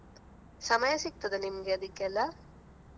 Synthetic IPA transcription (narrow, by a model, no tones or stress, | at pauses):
sɐmɐjɐsik̚t̪ɐd̪enimɐɡeɐd̪ikːɛlːɐ